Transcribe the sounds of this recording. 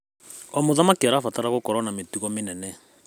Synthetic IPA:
ɔmoðamakiaɾafataɾaɣokɔɾɔnametuɣɔmenɛnɛ

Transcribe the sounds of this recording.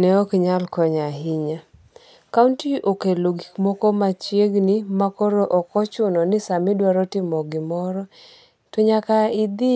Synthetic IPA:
nɛɔkɲalkɔɲaɦɪɲa | kauntiʔokeloɡikmɔkɔmat͡ʃjeɡnɪmakɔɾoʔɔkɔt͡ʃʊnɔnɪsamɪdwaɾɔtɪmɔɡɪmɔɾɔ | tɔɲakaɪd̪ɪ

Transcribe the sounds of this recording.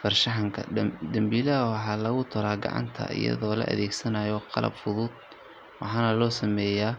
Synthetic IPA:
fɐrʃɑħɑŋkʰɐ̰d̪ɐmbiːlɐɐwɑħɑːlɐɣʊt̪ʰʊɾaːɡɑ̰ʕɑ̰nt̪ʰɐ̰ɪ̰jɐ̰ðɔːlɐ̰ʔɐ̰ðɛːɡsɐnajɔqɑlɐ̰bfʊðʊd̪̚ | wɑħɑːnɐlɔːsɐmɛːjaː

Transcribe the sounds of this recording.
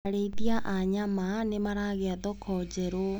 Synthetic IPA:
aɾeiðiaʔaɲamanemaɾaɣeaðɔkʰɔd͡ʑɛɾo

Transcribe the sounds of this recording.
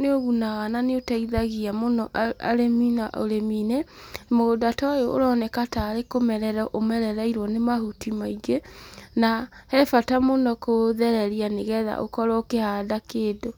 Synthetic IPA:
neoɣunaɣananeotaiðaɣiamonɔʔaa̰ɾeminaʔo̰ɾeminemodatɔajoʔo̰ɾɔːnɛkataːɾekomɛɾɛɾaʔomɛɾɛɾaiɾwɔnemaɦutimaiɡenahɛfatamonɔkoðɛɾɛɾianeɣɛða̰ʔo̰kɔɾɔokehaːdakeːdo

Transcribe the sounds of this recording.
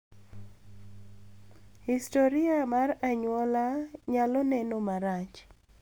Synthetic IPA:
histoɾɪamaraɲwɔlaɲalɔnɛnomaɾat͡ʃ

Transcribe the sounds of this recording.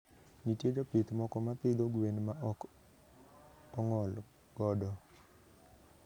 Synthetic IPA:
nitjed͡ʒopit̪mɔkɔmapɪd̪oɡwenmaʔɔk | ɔŋɔl | ɡ̥ɔdɔ

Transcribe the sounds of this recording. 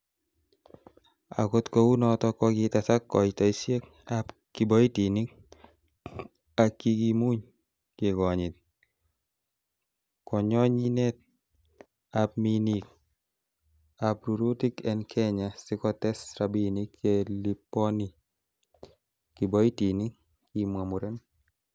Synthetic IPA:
a̰kot̪kowunɔt̪ɔkɔɡit̪asakːɔjt̪ɔisjek | apkibɔitinik | akːiɡimuɲ | kɪɡɔɲɪt̪̚ | kɔɲɔɲinɛt̪̚ | ap̚minik | apɾuɾotikɛnkʰɛɲasɪkɔtɛsɾabinikʰːelipːɔni | kibɔitinik | kimamuɾen

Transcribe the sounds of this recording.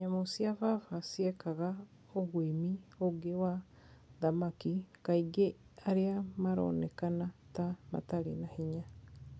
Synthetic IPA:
ɲamosiavafasiɛkaɣa | oɣwimioɡewa | ðamakikaiɡe | aɾeamaɾo̰ːnɛkanatama̰taɾinahiɲa

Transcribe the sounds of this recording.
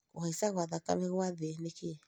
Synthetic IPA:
ohɛsaɣwaðaka̰meɣwaðeneke

